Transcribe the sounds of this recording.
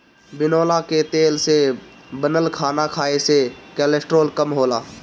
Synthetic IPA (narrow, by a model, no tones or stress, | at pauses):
bɪnoːlaket̪eːlse | bənəlkʰaːnakʰaːesekɛːlesʈɾoːlkəmɦoːlaː